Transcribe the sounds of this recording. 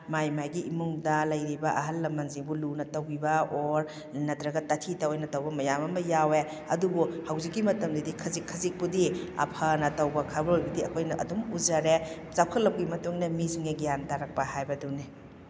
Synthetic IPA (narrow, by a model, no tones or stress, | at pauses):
majmajɡiʔimuŋdɐlɐjɾibɐʔɐɦɐlːɐmːɐnziŋbulunɐtɐwibɐoɾ | nɐtɾɐɡɐtɐtʰitɐwojnɐtɐwbɐmɐjamɐmɐjawe | ɐdubuhawzikːimɐtɐmdɐdikʰɐzikʰːɐzik̚pudiɐ̰pʰɐnɐtɐwbɐkʰabɐojbɐdiɐkʰojnɐʔɐ̰dumuzɐɾe | zakʰɐlːɐp̚ɡimɐtuŋnɐmiziŋeɡijantaɾɐk̚pɐhajbɐduni